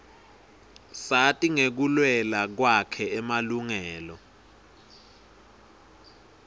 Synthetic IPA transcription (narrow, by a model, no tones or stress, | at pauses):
satʼiŋek̬ulwɛlak̬wakʰɛɛmaluŋɛːlɔ